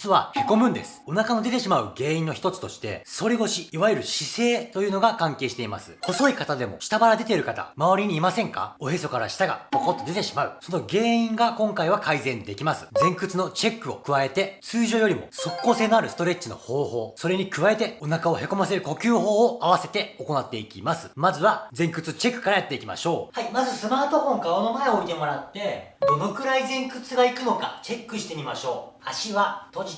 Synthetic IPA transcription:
t͡sɨβahe̞ko̞mɯ̟̃nd̪e̞sɨ̥o̞nakano̞d̪e̞t̪e̞ɕimaɯ̟ɡe̞ːĩno̞çi̥t̪o̞t͡sɨ̥t̪o̞ɕi̥t̪e̞̰so̞ɾʲiɡo̞ɕiiβajɯɾɯ̟ɕise̞ːt̪o̞jɯːno̞ɡakãŋke̞ːɕi̥t̪e̞imasɨ̥ho̞so̞ikat̪ad̪e̞mo̞̰ɕi̥t̪abaɾad̪e̞t̪e̞ɾɯ̟kat̪a̰maβaɾʲiɲ̟iːmasẽ̞ŋka̰o̞ɦe̞so̞kaɾa̰ɕi̥t̪aɡa̰kokot̪ːod̪e̞t̪e̞ɕimaɯ̟so̞no̞ɡe̞ːĩŋɡakõ̞ŋkaiβakaizẽ̞nd̪e̞kʲimasɨ̥d͡zẽ̞ŋkɯ̟t͡sɨno̞t͡ɕe̞kːɯ̟o̞̰kɯ̟βae̞t̪e̞t͡sɨːʑo̞ːjo̞ɾʲimo̞̰so̞kːo̞ːse̞ːnoaɾɯ̟sɨ̥t̪o̞ɾe̞t͡ɕino̞̰hoːho̞ːso̞ɾe̞ɲ̟ikɯβae̞t̪e̞o̞nakao̞he̞ko̞mase̞ɾɯ̟ko̞kʲɨːɦo̞ːaβase̞t̪e̞o̞ko̞nat̪ːe̞ikʲimasɨ̥mazɨβad͡zẽ̞ŋkɯ̟t͡sɨt͡ɕe̞kːɯ̟̥kaɾajat̪ːe̞ikʲima̰ɕo̞ːhaimazɨsɨmaːt̪o̞ɸõ̞ŋkaaonomaeo̞it̪e̞mo̞ɾat̪ːe̞d̪o̞no̞kɯ̟ɾaizẽ̞ŋkɯ̟t͡sɨɡaikɯ̟no̞kat͡ɕe̞kːɯ̟ɕi̥t̪e̞mʲimaɕo̞ːaɕiβat̪o̞d͡ʑi

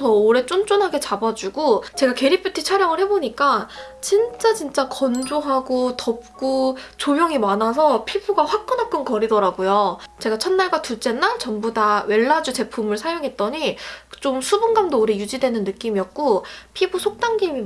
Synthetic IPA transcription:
ʌoɾe̞t͡ɕ͈ont͡ɕ͈onɦaɡe̞t͡ɕabad͡ʑuɡot͡ɕe̞ɡake̞ɾipʰitʰit͡ɕʰaɾjʌŋɯɭhe̞boɲik͈a | t͡ɕint͡ɕ͈at͡ɕint͡ɕ͈akʌnd͡ʑoɦaɡotʌp̚k͈ot͡ɕomjʌŋimanas̬ʰʌpʰibuɡaɸwak̚k͈ɯnɦap̚k͈ɯnkʌɾidʌɾaɡojot͡ɕe̞ɡat͡ɕʰʌnːaɭɡwatut͡ɕ͈e̞nat͡ɕʌmbudawe̞ɭːad͡ʑut͡ɕe̞pʰumɯɭsʰajoŋɦe̞t̚t͈ʌɲit͡ɕ͈omsʰubunɡamdooɾejud͡ʑidwe̞nɯnːɯk͈imijʌt̚k͈opʰibusʰok̚t͈aŋɡimi

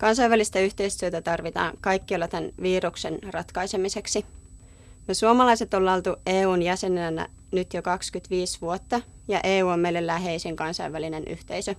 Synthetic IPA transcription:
kɑnsɑjʋælist̪æyht̪e̞ist̪yøt̪æt̪ɑrʋit̪ɑ̰ːŋkɑjkːiɑlːɑt̪ænʋiːɾuksenrɑt̪kɑjse̞mise̞ksi | jɑsuomɑlɑjse̞t̪olːɑlt̪ueːuːnjæse̞nænæ̰ | nyt̪jokɑkskyt̪ʋiːsʋuot̪ːɑ | jɑʔe̞ːuːomːejlːelːæɦe̞isiŋkɑnsɑiʋæline̞nʔy̰ht̪e̞isø

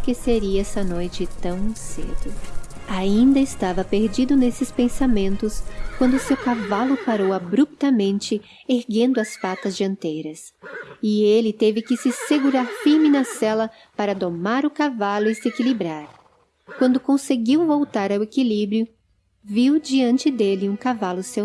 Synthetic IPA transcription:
kɪseɾiɐɛsɐnojt͡ʃɪt̪ɐ̃w̃sḛd̪ʊaĩnd̪ɐɪst̪avɐpeɾd͡ʒid̪ʊnesɪspẽsamẽnt̪ʊskwɐ̃nd̪ʊsewkavalʊpaɾowabɾup̚t̪ɐmẽnt͡ʃɪ | eɾɡẽnd̪ʊɐsfat̪ɐzd͡ʒɪɐ̃nt̪ejɾɐs | ɪelɪt̪evɪkɪsɪseɡuɾaɾfiɾmɪnɐsɛlɐ | paɾɐd̪omaɾʊkavalʊɪsɪekilibɾaɾ | kwɐ̃nd̪ʊkõseɡiwvowt̪aɾawekilibɾjʊ | viwd͡ʒiɐ̃nt͡ʃɪd̪elɪũkavalʊse

